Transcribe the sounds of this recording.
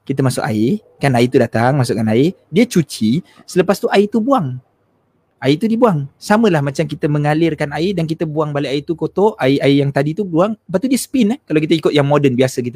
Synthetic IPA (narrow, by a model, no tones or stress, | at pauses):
kit̪̬əmasʊ̰ka̰i | kanait̪udat̪aŋmasʊʔkanai | diət͡ʃut͡ʃi | sələpast̪uʔait̪ubuaŋ | ʔait̪udibuaŋsaməlahmat͡ʃamkit̪əməŋalɪrkanaidankit̪əbuaŋbalaait̪ukot̪oʔʔaiaijaŋt̪adit̪ubuaŋpat̪t̪udiəsə̥pɪnəhkalawk̬it̪aikʊt̪̚jaŋmodənbiasakit̪u